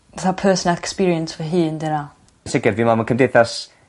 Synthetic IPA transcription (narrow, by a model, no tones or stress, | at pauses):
aθapʰɜːsɔnalˠɛkspiːɾiə̃nswəɦiːndɛna | nsɪɡɪdviːmamakʰəmdejθas